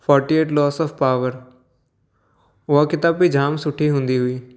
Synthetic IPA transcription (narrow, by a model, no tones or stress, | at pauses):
pʰɔːɾʈieːʈlɔːsɔːfpaːʋəɾ | ʊakɪt̪aːbːid͡ʒʱaːmsʊʈʰːiɦʊ̃nd̪iːɦʊiː